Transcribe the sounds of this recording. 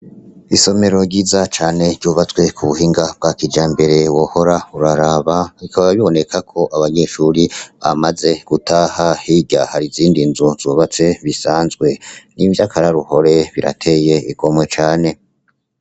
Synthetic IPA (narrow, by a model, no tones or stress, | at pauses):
iso̞me̞ɾo̞ɟizat͡ʃaːne̞ɾɟuːβat͡swe̞kʰuβuhiːŋɡab̚ɡakid͡ʒaːmbe̞ɾe̞woho̞ɾauɾaɾaβaβikaβaβiβo̞ne̞kʰakʰo̞ʔaβaɲeːʃuːɾiβa̰maze̞ɡ̥utaːhahiɟahaɾiziːndinzuz̥oːβat͡se̞βisaːnzɡwe̞nivjakʰaɾaɾuho̞ɾe̞βiɾa̰tʰe̞je̞iko̞mwe̞t͡ʃaːne̞